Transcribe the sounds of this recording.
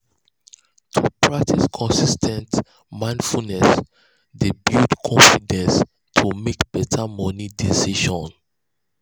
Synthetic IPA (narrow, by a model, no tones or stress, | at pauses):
tʰupʰɹak̚tʰiskʰɔ̃nsistʰɛ̃nt | mãɪ̃ndfulnɛs | dibjudkʰɔ̃nfidɛ̃ns | tʰumekb̥ɛtʰamɔnidisiʃɔ̃n